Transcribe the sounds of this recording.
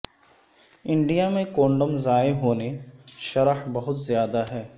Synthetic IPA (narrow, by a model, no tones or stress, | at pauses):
ɪ̃ɳɖijamẽkõːɳɖəmzaːeɦoːneʃɐɾəhbɐɦʊt̪zjaːd̪aɦɛː